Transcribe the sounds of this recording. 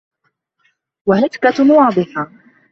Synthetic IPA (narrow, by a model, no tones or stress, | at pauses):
waɦɪt̪kawɑːd̪ˤɨħa